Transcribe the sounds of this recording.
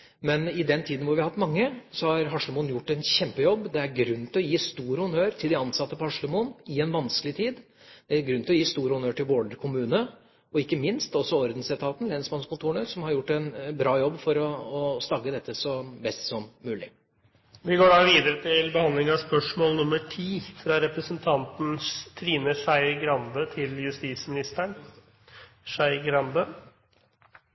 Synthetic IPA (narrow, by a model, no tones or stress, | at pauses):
mɛnɪd̪ɛnt̪ʰiːd̪n̩ʋʊɾʋɪɑhɑt̪mɑŋːəsɔhɑɾɦɑʂləmuːnjʊʈːɛnçɛmpəjɔbːd̪ɛæɾɡɾʉnːt̪ɪlɔjiːst̪uːɾhʊnøːɾt̪ʰɪld̪ɪɑnsɑt̪ːəpɔhɑʂləmuːnɪɛnʋɑnskəlɪt̪ʰiːd̪ | d̪̥ɛæɾɡɾʉnlɔjiːst̪uːɾhʊnøːʈɪlʋoːɖəɾkʰʊmʉːnə | ɔɪkːəmɪnst̪ɔsːɔɔɾd̪n̩sɛt̪ʰɑːt̪n̩lɛnsmɑnskʊnt̪ʰuːɳəsɔmhɑɾjʊʈːɛnbɾɑːjɔbːfɔɾɔːst̪ɑɡːəd̪ɛt̪ːəsɔbɛst̪sɔmːʉːlɪ̰ | ʋɪɡoːɖɑːʋiːd̪əɾət̪ʰɪlbəhɑnd̪lɪŋɑspœʂmoːlnʊməʈʰiːfɾɑɾɛpɾəsənt̪ʰɑnt̪n̩t̪ʰɾiːnəʂæɪɡɾɑnd̪ət̪ʰɪljʉst̪iːsmɪnɪst̪əɳ | ʂæɪɡɾɑnd̪ə